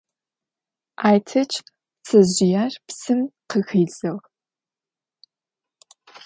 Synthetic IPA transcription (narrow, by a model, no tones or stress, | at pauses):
aːjtʰɐt͡ʃʰ | t͡sʰɐʑɪjaːrpsɨmqəxiːzɐʁ